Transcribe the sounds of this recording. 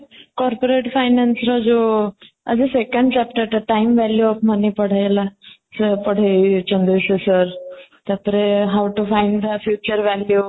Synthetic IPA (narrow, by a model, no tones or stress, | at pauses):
kɔɾpoɾeʈfajnãnsɾɔd͡zo | ə̰d͡zesekə̃ɳɖt͡ɕap̚ʈəɾt̪eʈajmʋæljuɔfmənipəɽ̤ajlasəɾpəɽ̤ajt͡ɕənd̪ɾisesəɾt̪jat̪əɾeɦawʈufãjɳɖd̪əfjut͡ɕəɾʋælju